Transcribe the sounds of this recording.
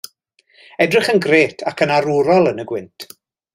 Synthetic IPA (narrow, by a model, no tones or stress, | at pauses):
ɛdrɪχənɡreːtʰakʰənaɾuɾɔlˠənəɡwɪntʰ